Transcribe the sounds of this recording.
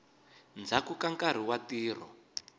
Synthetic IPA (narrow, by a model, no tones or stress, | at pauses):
nd͡zakukaŋkaɾ̤iwatiːr̤ɔ̰